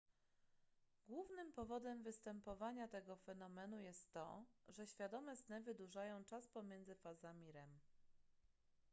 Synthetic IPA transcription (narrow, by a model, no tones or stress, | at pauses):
ɡwuvnɘmpɔvɔd̪ɛmvɘst̪ɛmpɔvaɲat̪ɛɡɔfɛnɔmɛnujɛst̪ːɔ̰ʐɛɕfʲjad̪ɔmɛznɛvɘd̪uʐajɔ̃w̃t͡ʂaspɔmʲjɛnd̪zɘfazamʲiɾɛm